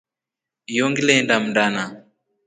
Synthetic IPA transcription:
jɔŋɡilɛndam̩ndana

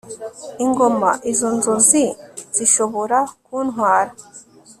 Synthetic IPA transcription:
iŋɡo̞ma̰ʔizonzoziz̥iʃoβo̞ɾakuːnɦwaːɾa

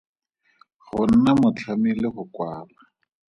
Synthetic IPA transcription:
χʊn̩namʊt͡ɬʰamilɪχʊkwaːla

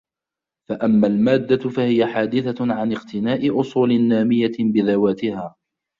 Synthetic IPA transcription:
faʔamːalmaːd̪ːafahɪjaħaːd̪ɪθaʕanɪqt̪ɪnaːʔɪʔʊsˤuːlɪnːaːmɪjabɪðawaːt̪ɪhaː

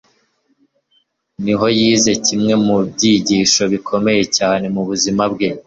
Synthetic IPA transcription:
niɦo̞jiːze̞cimŋe̞mub̚ɟiɟiːʃo̞βikʰo̞me̞je̞caːne̞muβuzimabɡe̞

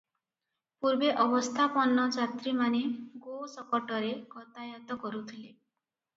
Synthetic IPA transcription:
puɾbeʔɔbɔst̪ʰapɔnːɔd͡ʒat̪ɾimaneɡosɔkɔʈɔɾeɡɔt̪ajat̪ɔkɔɾut̪ʰile

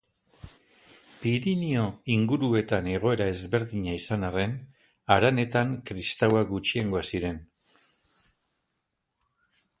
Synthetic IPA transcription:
piɾinio̞iŋɡuɾue̞t̪ane̞ɣ̞o̞e̞ɾae̞zβe̞ɾðiɲaisanare̞n | aɾane̞t̪aŋkɾist̪awaɡut͡ʃieŋɡo̞asiɾe̞n

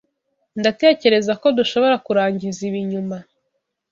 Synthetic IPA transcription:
ndate̞ːce̞ɾe̞zako̞duʃo̞βo̞ɾakuɾaːɲɟiziβiɲuma

